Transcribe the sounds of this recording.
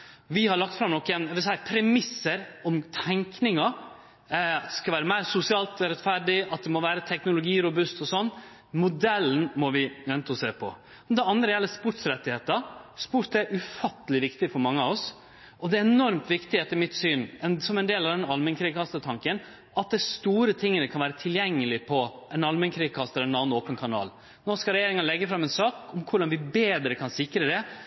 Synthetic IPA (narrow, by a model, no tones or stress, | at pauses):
ʋɪhɑɾɭɑkt̪fɾɑmnɔkːɛnæʋɪlsæɪpʰɾɛmɪsːəɾɔmt̪ʰɛŋknɪŋɑ | ɑt̪d̪ɛ̥skɑʋæːɾəmæɪɾsʊsɪɑːlt̪ɾɛt̪fæɖɪɑt̪̚d̪ɛmɔʋæːɾət̪ʰɛknʊlʊɡiːɾʊbʉst̪ɔsɔnː | mʊd̪ɛlːn̩mɔʋɪjɛnt̪əɔseːpʰɔ̰ | d̪ɛɑnd̪ɾəjɛləspʊʈsɾɛt̪ːɪheːt̪ɑɾspuɾt̪æɾʔʉfɑt̪ːəlɪʋɪkt̪ɪfɔɾmɑŋːəɑʋɔs | ɔd̪ɛɛnɔɾmt̪ʰʋɪkt̪ɪheːt̪əɾmɪt̪syːnɛnsɔmɛnd̪eːlɑʋd̪ɛnɑlmɛnkʰɾiːɡkʰɑst̪ət̪ʰɑŋkən | ʔɑt̪̚d̪æst̪uːɾət̪ʰɪŋːənəkʰɑnʋæːɾət̪ʰɪljɛŋːəlɪpʰɔɛnɑlmɛnkʰɾiːɡkʰɑst̪əlɛnɑːnn̩oːpənkʰɑnɑ̰ːl | noːskɑɾɛjeːɾɪŋənlɛɡːəfɾɑmɛnsɑːkʊmkʰʊɖɑnʋɪbeːd̪ɾəkʰɑnsɪkɾəd̪ɛ